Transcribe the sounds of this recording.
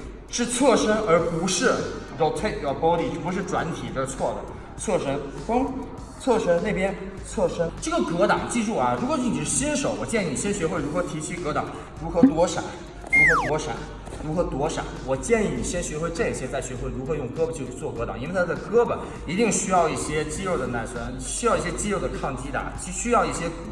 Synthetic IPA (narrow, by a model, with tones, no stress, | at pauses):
ʂɻ̩˥˧t͡sʰwɔ˥˩ʂə˥ŋə˞˧˥pu˧˥ʂɻ̩˥˩ | o˧˩t͡sʰwe˥˧ɪ˧˥˧pɔ˥ʊli˥˩˥pu˧˥ʂɻ̩˥˩ʈ͡ʂwa̰˧˥nt̪ʰi˨˩d̪ə˦t͡sʰwɔ˥˩d̪ə̰˩ | t͡sʰwɔ˥˩ʂə˥ŋ | fɤ˥ŋ | t͡sʰwɔ˥˩ʂə˥ne˥˩ɪpjɛ˥nt͡sʰwɔ˥˩ʂə˥ʈ͡ʂɤ˥˩ɡə˩kɤ˧˥t̪ɑ˨˩˦ŋt͡ɕi˥˧ɻu˥˩ɐ˩ɻu˧˥kwɔ˨˩˥ni˨˩ʂɻ̩˥˩ɕi˥nʂo˨˧˥ʊwɔ˨˩t͡ɕjɛ˥˧ni˥˩ni˨˩ɕjɛ˥nɕɥɛ˧˥xwe˥˩ɪɻu˧˥xɤ˧˥t̪ʰi˧˥t͡ɕʰi˥kɤ˧˥t̪ɑ˨˩˦ŋ | ɻu˧˥xɤ˧˥t̪wɔ˥ʂa̰˨˩˦ | ɻu˧˥xɤ˧˥t̪wɔ˧˥ʂa̰˨˩˦ | ɻu˧˥xɤ˧˥t̪wɔ˥ʂa̰˨˩˦wɔ˨˩t͡ɕjɛ˥˧ni˥˩ni˨˩ɕjɛ˥nɕɥɛ˧˥xwe˥˧ɪʈ͡ʂɤ˥˩i˨˩ɕjɛ˧˥t͡sa˥˩ɪɕɥɛ˧˥xwe˥˩ɪɻu˧˥xɤ˧˥jʊ˥˩ŋkɤ˥bə˨t͡ɕjo˥˧ʊ˥t͡swɔ˥˩kɤ˧˥t̪ɑ˨˩˦ŋi˥w̪ʰkɤ˥bə˨ | i˧˥t̪i˥˧ŋɕy˥jɑ˥˧ʊi˥˩ɕjɛ˥t͡ɕi˥o˥˩ʊd̪ə˩na˧˩nswə˧˥n | ɕy˥jɑ˥˧ʊi˥˩ɕjɛ˥t͡ɕi˥o˥˩ʊd̪ə˩kʰɑ˥˩ŋt͡ɕi˥d̪ɐ̰˧˩˥ɕy˥jɑ˥˧ʊi˥˩ɕjɛ˥˩